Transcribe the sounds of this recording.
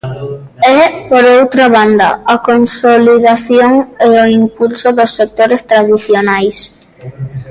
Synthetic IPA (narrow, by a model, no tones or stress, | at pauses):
ɛpoɾowt̪ɾaβand̪a̰akonsoliðaθjoŋeoimpulsoðosːek̚t̪oɾest̪ɾaðiθjonajs